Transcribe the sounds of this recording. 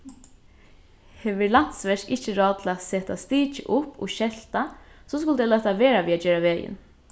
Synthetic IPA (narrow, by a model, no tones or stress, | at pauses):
hɛʋɪɹlan̥t̪sʋɛʂkɪht͡ʃəɹɑːdt̪ʰɪlasɛːt̪ast̪iːt͡ʃə̰ʔʊpʰːɔ̰ʃɛl̥t̪asɔskʊlt̪ɛːlɛt̪aʋeːɾaʋiːat͡ʃøːɾaʋeːjɪ̰n